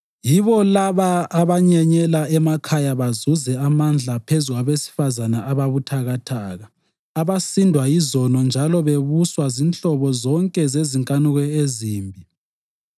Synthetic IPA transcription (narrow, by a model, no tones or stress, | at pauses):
jiβɔlaβaːβaɲɛɲɛlaɛmakʰajaβazuzɛamand͡ɮʱapʰezuɣaβesi̥fazanaaβaβutʰaɣatʰaːɣa | aβasindʱwajizɔnɔnd͡ʒʱalɔβeβuswazint͡ɬɔβɔzɔŋkʼɛzeziŋkʼanuɣɛeziːmbʱi